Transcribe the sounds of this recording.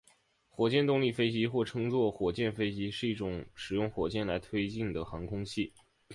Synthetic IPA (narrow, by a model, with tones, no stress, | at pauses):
xwɔ˨˩t͡ɕjɛ˥˧nt̪ʊ˥˧ŋli˥˧fe˥ɪt͡ɕi˧˥xwɔ˥˩ʈ͡ʂʰɤ˥ŋt͡swɔ˥˩xwɔ˨˩t͡ɕjɛ˥˩nfe˥ɪt͡ɕi˧˥ʂɻ̩˥˧i˥˩ʈ͡ʂʊ˨˩˦ŋʂɻ̩˨˩jʊ˥˩ŋxwɔ˨˩t͡ɕjɛ˥˩nla˧˥ɪt̪ʰwe˥ɪt͡ɕi˥˩nd̪ə˩xɑ˧˥ŋkʰʊ˥ŋɕi˥˩